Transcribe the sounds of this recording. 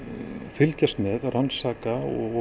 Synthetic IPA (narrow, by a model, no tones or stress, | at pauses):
fɪlcast̪mɛðransaːkaɔ̰ɣ